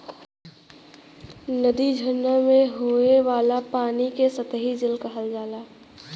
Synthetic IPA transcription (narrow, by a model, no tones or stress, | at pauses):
nəd̪id͡ʒʱənːamẽɦoːeʋaːlapaːnikesət̪əɦid͡ʒɪlkɐɦəld͡ʒaːlaː